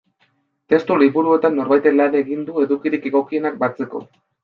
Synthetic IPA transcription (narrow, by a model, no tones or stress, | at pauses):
t̪e̞st̪uliβuɾue̞t̪anːo̞ɾβajt̪e̞lane̞ɣind̪ue̞ðukiɾike̞ɣo̞kie̞nak̚bat͡se̞ko̞̰